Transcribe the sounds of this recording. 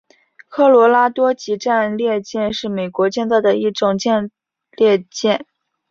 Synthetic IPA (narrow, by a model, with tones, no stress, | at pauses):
kʰɤ˥˩lwɔ˧˥la˥t̪wɔ˥t͡ɕi˧˥ʈ͡ʂa˥˧nljɛ˥˧t͡ɕjɛ˥˧nʂɻ̩˥˩me˨˩ɪkwɔ˧˥t͡ɕjɛ˥˧nt͡sa˥˩ɪd̪ə˩i˥˩ʈ͡ʂʊ˨˩ŋt͡ɕjɛ˥˧n | ljɛ˥˧t͡ɕjɛ˥˩n